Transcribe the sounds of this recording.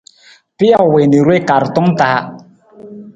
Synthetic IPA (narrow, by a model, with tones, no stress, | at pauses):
pi˦a˦˨we˨ni˨ɾwe˦ka˨ɾtɔ˦ŋtaː˨˦